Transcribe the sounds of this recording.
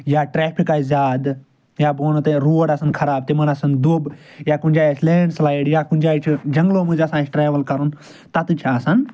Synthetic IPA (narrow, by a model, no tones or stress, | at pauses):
jaːʈɾeːpʰikaːizʲaːd̪ | jaːboːnot̪eɾuːəɽɐsɐnkʰɐɾaːb̚t̪emɐnɐsɐnd̪ub | jaːkʊnʲd͡ʒaːjslẽːɳɖslaːjɽjaːkʊnʲd͡ʒaːt͡ʃʰd͡ʒɐŋɡloːmũd͡ʒɐsãːt͡ʃʰʈɾeːʋəlkɐɾun | t̪ɐt̪t͡ʃʰaːsɐn